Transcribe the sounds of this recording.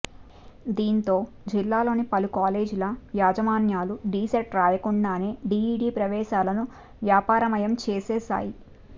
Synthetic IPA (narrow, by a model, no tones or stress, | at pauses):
d̪iːnt̪o̞ː | d͡ʒilːaːlo̞ːnipɐlukaːleːd͡ʒulɐʋjaːd͡ʒɐmaːnjaːluɖiːsɐʈɾaːjɐkuɳɖaːne̞ːɖiːɖiːpɾɐʋɛːʃaːlɐnu | ʋjaːpaːɾɐmɐjɐmt͡ʃeːsɛːsa̰ːji